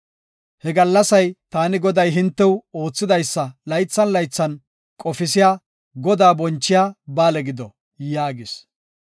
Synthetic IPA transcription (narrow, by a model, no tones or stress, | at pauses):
hɛɡɐlːɐsɐjt̪aːnɪɡɔd̪ɐjɦɪnt̪ːɛwo̞ːt͡sːɪd̪ɐjsːɐlɐjt͡sːɐnlɐjt͡sːɐn | kʼɔfɪsɪjaː | ɡɔd̪aːbɔnt͡ʃːɪjaːbaːlɛɡɪd̪ɔ | jaːɡɪs